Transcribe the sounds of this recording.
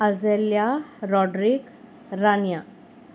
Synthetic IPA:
əd͡zeljaɾɔɖɾik | ɾanja

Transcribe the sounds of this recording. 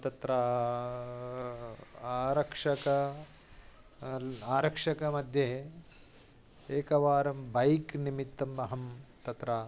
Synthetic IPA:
t̪ɐt̪ɾɐ | ɾɐkʂɐkɐ | aːɾɐkʂɐkɐmɐd̪ʱje | eːkɐʋaːɾɐmbɐjknimit̪ːɐmɐɦɐmt̪ɐt̪ɾɐː

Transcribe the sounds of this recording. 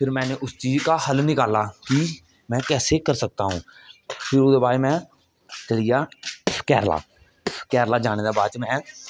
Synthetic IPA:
pʰɪɾmɛ̃ːneːʔʊst͡ʃiːd͡ʒkaːhəlnɪkaːlaːki | mɛ̃ːkɛːseːkəɾsək̚t̪aːɦũːpʰɪɾoːd̪eːbaːɾeːmɛ̃ː | t͡ʃəɽijaːkɛːɾla̰ː | kɛːɾlaːd͡ʒaːɽ̃eːd̪aːbaːt͡ʃmɛ̃ː

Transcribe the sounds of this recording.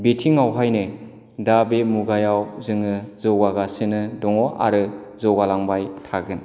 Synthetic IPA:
betʰiŋawɦajnɯ | dabemuɡajawzɯŋɯzɔɡaɡasɯnɯdɔŋɔʔa̰ɾɯ | zɔɡalaŋbajtʰaɡɯn

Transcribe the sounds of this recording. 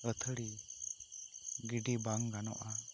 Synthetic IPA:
ət̪ʰəɽi | ɡiɖibaŋɡanɔ̰ʔa

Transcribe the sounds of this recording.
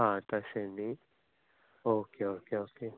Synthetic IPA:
ɦãt̪aʃeni | oːkeoːkeoːke

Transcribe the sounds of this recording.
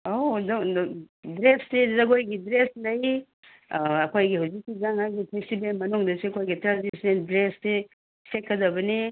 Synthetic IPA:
od | dɾessezɐɡojɡidɾeslɐj | ɐkʰojɡihawzik̚ːizaŋaɡipʰestibelmɐnuŋdɐseɐkʰojɡitɾazisnendɾesse | sekʰːɐdɐbɐni

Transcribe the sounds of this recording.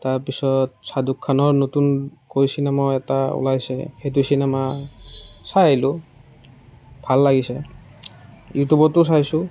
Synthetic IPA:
taɹpisɔt̚sadukʰːanɔɹnotunkojsinɛmaɛtaṵlajsɛ̰xejt̬ujsinɛma | salʊ | bʱalːaɡisɛ | jutubɔtʊs̬ajsʊ

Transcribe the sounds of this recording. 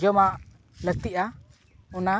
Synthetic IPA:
d͡ʒɔmaʔ | lət̪iʔa | ɔna

